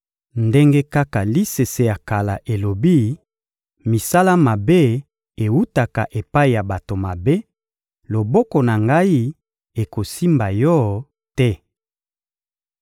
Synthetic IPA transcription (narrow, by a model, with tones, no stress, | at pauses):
nde˦ŋɡe˦ka˦ka˨li˦se˨se˨ja˨ka˨la˨ʔe˨lo˨bi˦ | mi˨sa˦la˦ma˨be˦ | e˨wu˦ta˨ka˨ʔe˨pa˦i˨ja˨ba˨to˨ma˨be˦ | lo˨bɔ˦kɔ˨na˨ŋɡa˦i˦ | e˨ko˨si˦mba˨jɔ˦ | tɛ˦